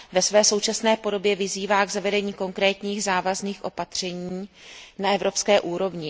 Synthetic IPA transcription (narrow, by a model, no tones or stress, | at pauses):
vɛsvɛːso̞wt͡ʃasnɛːpo̞do̞bjɛvɪziːvaːɡzavɛdɛɲiːko̞ŋkɾɛːt̪ɲiːɣzaːvazniːxʔo̞pat̪r̝̥ɛɲiː | naɛvɾo̞pskɛːʔuːɾo̞vɲɪ